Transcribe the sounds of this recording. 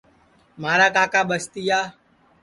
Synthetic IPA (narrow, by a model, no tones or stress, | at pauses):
maːɾaːkaːkaːɓəst̪iːjaː